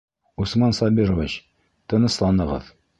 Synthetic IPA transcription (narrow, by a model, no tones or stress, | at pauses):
usmɑnsɑbʲiɾoviɕ | t̪ɤ̆nɤ̆ʃlˠɑnɤ̆ʁɤ̰ð